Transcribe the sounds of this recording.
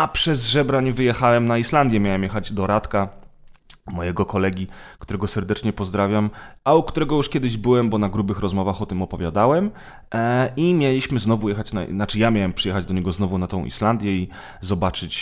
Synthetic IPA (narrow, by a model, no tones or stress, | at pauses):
ʔapʂɛzʐɛbɾaɲvɘjɛxawɛmnaiʂland̪jɛmʲjawɛmjɛxad͡ʑd̪ɔɾat̪ka | mɔjɛɡɔkɔlɛɡʲikt̪uɾɛɡɔsɛɾd̪ɛt͡ʂɲɛpɔzd̪ɾavʲjamʔaukt̪uɾɛɡɔjuʂkʲɛd̪ɘʑbɘwɛmbɔnaɡɾubɘxɾɔzmɔvaxɔt̪ɘmɔpɔvʲjad̪awɛm | imʲjɛlʲiɕmɘznɔvujɛxat͡ɕna̰nat͡ʂɘjamʲjawɛmpʂɨjɛxad͡ʑd̪ɔɲɛɡɔznɔvunat̪ɔ̃w̃ʔḭʂland̪ʲjɛi | zɔbat͡ʂɘt͡ɕ